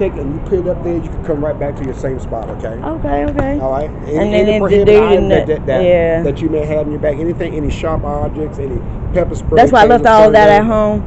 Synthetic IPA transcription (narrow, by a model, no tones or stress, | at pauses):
tʰeɪkɨ̃njɨpʰɪɾʌp̚ðə˞jɨkʰɨd̚kʰʌ̃mɹaɪt̚b̥æk̚tʰɨjə˞sẽɪ̃mspɑ̰ɾoʊkʰeɪʔoʊkeɪoʊkeɪɔlˠɹaɪt̚ɨ̃nðɨ̃nɪ̃ndʉɨ̃ŋɨdɛt̪̚ðɨæðɨt͡ʃɨmeɪɦæṽnjə˞bækɛniθɪ̃ŋɛniʃɑɹpɑb̚d͡ʒɨk̚tsɛni | pʰɛpəspɹðætsswaɪlʌftɔlˠəvðɨɾɨt̚ɦõʊ̃m